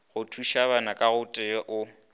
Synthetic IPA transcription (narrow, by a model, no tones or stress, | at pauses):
ɣʊtʰuʃaβanakʼaɣʊtʼɪʔʊ